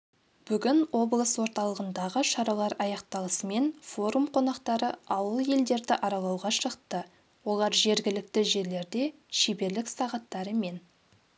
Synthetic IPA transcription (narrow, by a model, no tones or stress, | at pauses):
b̥ʏɡʲɪno̞blˠəswo̞ɾt̪ɑlˠəʁənd̪ɑʁəʃɑɾɑlˠɑɾɑjɑq̚t̪ɑlˠəsəme̞nfo̞ɾumqʰo̞nɑqt̪ɑɾəɑwəlˠje̞ld̪e̞ɾd̪ɪʔɑɾɑlˠɑwʁɑʃəqt̪ə | wo̞lˠɑɾʒe̞ɾɡʲɪlɪk̚t̪ɪʒe̞ɾle̞ɾd̪e̞ | ʃebe̞ɾlɪksɑʁɑt̪ːɑɾəme̞n